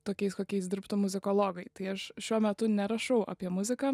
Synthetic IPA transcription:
t̪oːkʲɛɪskoːkʲɛɪs̬d̪ʲɪɾpt̪ʊmʊzʲɪkoːlˠoːɡɐɪt̪ɐɪɐʃʃʲuɔmʲɛt̪ʊnʲɛɾɐʃɐʊʔa̰pʲiɛmʊzʲɪkɑː

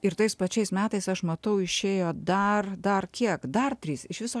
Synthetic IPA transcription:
ɪɾt̪ɐɪspɐt͡ʃʲɛɪsmʲæːt̪ɐɪsɐʃmɐt̪ɐʊɪʃʲeːjoːd̪ɐrd̪ɐrkʲiɛkd̪ɐrt̪ʲɾʲiːsɪʃʋʲɪsoː

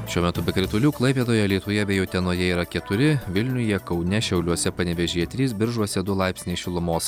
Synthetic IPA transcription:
ʃʲuɔmʲɛt̪ʊbʲɛkɾʲɪt̪ʊlʲuːklˠɐɪpʲeːd̪oːjɛlʲɛɪt̪ʊjɛbʲɛjɛʊt̪ʲɛnoːjɛiːɾɐkʲɛt̪ʊɾʲɪʋʲɪlʲnʲʊjiɛkɒʊnʲɛʃʲɛʊlʲuɔsʲɛpɐnʲɛʋʲɛʒʲiːjɛt̪ʲɾʲiːsbʲɪɾʒuɔsʲɛd̪ʊlˠɑˑɪpʲsʲnʲeːʃʲɪlˠʊmoːs

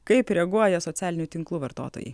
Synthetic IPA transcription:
kɐɪpɾʲɛɡuɔjɛsɔt̪ʲæːlʲɪnʲut̪ʲɪŋklˠuːʋɐɾt̪o̰ːt̪o̰ːjɛ̰

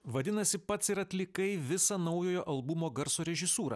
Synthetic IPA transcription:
ʋɐd̪ʲɪnɐsʲɪpɐt̪sɪɾɐt̪ʲlʲɪkɐɪʋʲɪsɐːnɐʊjoːjoːʔɐlˠbʊmoːɡɐɾsoːɾʲɛʒʲɪsuːɾɐ̰

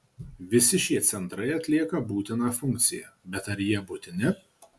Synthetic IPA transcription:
ʋʲɪsʲɪʃʲiɛt̪sʲɛnt̪ɾɐɪɐt̪ʲlʲiɛkɐbuːt̪ʲɪnɑːfʊŋʲk̚t̪sʲɪjɛbʲɛt̪ɐɾjiɛbʊt̪ʲɪnʲɪ

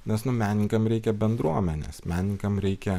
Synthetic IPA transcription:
nʲɛsnʊmʲæːnʲɪŋkɐmɾʲɛɪkʲɛbʲɛnd̪ɾuɔmʲɛnʲḛsmʲæːnʲɪŋkɐmɾʲɛɪkʲɛ

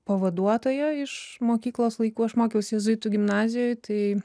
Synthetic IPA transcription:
pɐʋɐd̪uɔt̪oːjɛɪʃmoːkʲiːklˠoːslˠɐɪkuːɐʃmoːkʲɛʊsʲɛzʊɪt̪uɡʲɪmnɑːzʲɪjoːjt̪ɐɪ

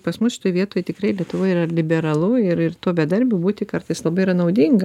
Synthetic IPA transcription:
pɐsmʊsʃʲɪ̥t̪oːjʋʲiɛt̪oːjt̪ʲɪkɾɐɪlʲiɛt̪ʊʋoːjiːrɐlʲɪbʲɛɾɐlˠʊɪɾɪrt̪uːbʲɛd̪ɐɾʲbʲʊbuːt̪ʲɪkɐrt̪ɐɪslˠɐbɐɪiɾɐnɐʊd̪ʲiŋɡɐ

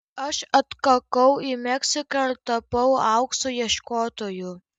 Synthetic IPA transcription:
ɐʃɐt̪kɐkɐʊimʲɛksʲɪkɐt̪ɐpɐʊɑˑʊksʊjiɛʃkoːt̪oːjʊ

